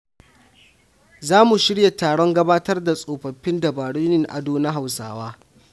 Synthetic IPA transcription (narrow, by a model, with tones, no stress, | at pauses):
zaː˦mu˨ʃɪ˦ɽja˨taː˨ɽɔ˦ŋɡɐ˦baː˦tɐ˦rda˨sʼoː˨ɸɐ˨ɸːɪ˦ndɐ˨baː˨ɽuː˦nɪ˦ŋʔa̰˨doː˦na˦ɦa˨wsa̰ː˨waː˦